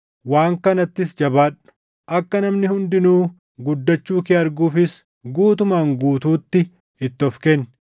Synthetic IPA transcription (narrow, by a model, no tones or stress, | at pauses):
waːŋkɐnɐt̪ːɪsd͡ʒɐbaːᶑʊ̥ | ʔɐkːɐnɐmnɪhʊnd̪ɪnuː | ɡʊd̪ːɐt͡ʃːuːkɪɐɾɡuːfɪs | ɡuːt̪ʊmaːŋɡuːt̪uːt̪ːɪ | ɪt̪ːɔfkenː